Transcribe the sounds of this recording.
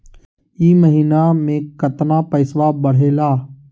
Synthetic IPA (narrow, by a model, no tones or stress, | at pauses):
iːməɦiːnaːmẽːkət̪naːpəɪsʋaːbəɽ̤eːlaː